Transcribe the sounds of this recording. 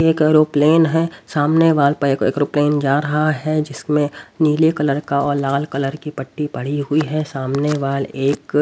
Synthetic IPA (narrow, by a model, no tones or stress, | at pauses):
eːkːɾoːpleːnɦɛsaːmneʋaːlpɐɾeːkḛːkɾoːpleːnd͡ʒaːɾɐɦaɦɛd͡ʒɪsmẽniːlekɐləɾkaɔːɾlaːlkɐləɾkipɐʈːipɐɽ̤iɦʊiɦɛsaːmneʋaːleːk